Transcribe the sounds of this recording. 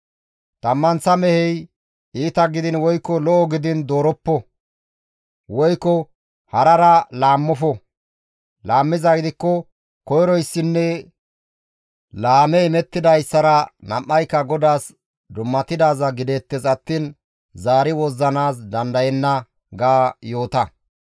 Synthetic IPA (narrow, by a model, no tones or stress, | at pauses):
t̪ɐmːɐnt͡sːɐmɛhɛj | ʔiːt̪ɐɡɪd̪ɪnwɔjkːɔlɔʔɔɡɪd̪ɪnd̪oːɾɔpːɔ | wɔjkːɔ | hɐɾɐɾɐlaːmːɔfɔ | laːmːɪzɐɡɪd̪ɪkːɔ | kɔjɾɔjsːɪnːɛ | laːmɛɪmɛt̪ːɪd̪ɐjsːɐɾɐnɐ̰mːɐjkːɐɡɔd̪aːs | d̪ʊmːɐt̪ɪd̪aːzɐɡɪd̪eːt̪ːɛzɐt̪ːiːn | zaːɾɪwɔzːɐnaːs̬d̪ɐnd̪ɐjɛnːɐ | ɡaːjoːt̪ɐ